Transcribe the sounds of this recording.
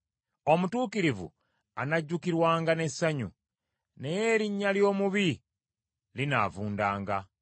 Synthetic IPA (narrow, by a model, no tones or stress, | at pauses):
o̞mutuːkiɾivṵ | anaɟːukiɾwaːŋɡane̞sːaɲṵ | nejeɾiɲːaljo̞ːmuβi | lina̰vuːndaːŋɡa